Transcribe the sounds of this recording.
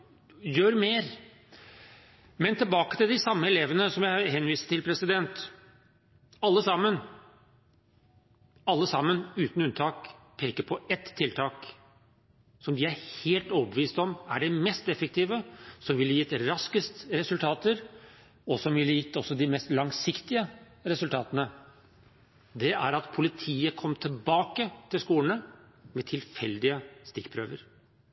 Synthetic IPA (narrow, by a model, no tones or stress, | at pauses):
jøːɾmeːɾ | mɛnt̪ɪlbɑːkə̥t̪ɪld̪ɪsɑmːəɛleːʋənəsɔmjæɪhɛnːʋiːsəʈɪlpʰɾɛsɪd̪ɛnt̪ | ɑlːəsɑmːən | ɑlːəsɑmːənʉːt̪n̩ʉnt̪ʰɑːk | pʰeːkəɾpʰɔʔɛt̪ʰːɪlt̪ʰɑːk | sɔmd̪ɪæɾheːlt̪oːbəʋiːst̪ɔmæɖɛmɛst̪ɛfək̚t̪iːʋəsɔmʋɪlhjɪt̪ːɾɑskəst̪əɾɛsʉlt̪ʰɑːt̪əɾ | ɔsɔmʋɪljɪt̪ːɔsːɔd̪ɪmɛst̪lɑŋsɪkt̪ɪə | ɾɛsʉlt̪ʰɑːt̪ənə | d̪ɛʔæɾɑt̪pʰʊlɪt̪ʰiːəkʰɔmːt̪ʰɪlbɑːkət̪ʰɪlskuːləɳə | mɛt̪ʰɪlfɛld̪ɪəst̪ɪkːpʰɾø̰ːʋəɾ